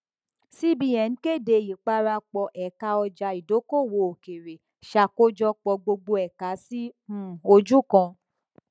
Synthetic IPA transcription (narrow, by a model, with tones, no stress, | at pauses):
si˦bi˧˦jɛ̃˨ñ̩˦ke˦˨de˨˧˨ji˨k͡pa˧ɾa˧k͡pɔ˧ʔɛ˨ka˧ɔ˧d͡ʒa˧i˨do˨˦ko˦˨wo˧o˨ke˨ɾe˨ | ʃa˦˨ko˦d͡ʒɔ˦k͡pɔ˧ɡ͡bo˧ɡ͡bo˧ɛ˨ka˨˦si˦ũ˦˨o˧d͡ʒu˦˨kã˧